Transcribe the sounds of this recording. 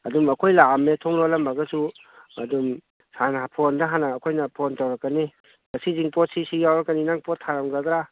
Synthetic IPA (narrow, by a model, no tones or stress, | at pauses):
ɐdumɐkʰojlametʰɔŋlolɐmbaɡɐsu | ɐdum | sanaɦapʰondaɦanɐːkʰojnɐpʰɔntawɾɐkːɐni | mɐsiziŋpɔt̚sisijawɾɐkːaninaŋpɔtʰːaɾɐmɡad̪ɾa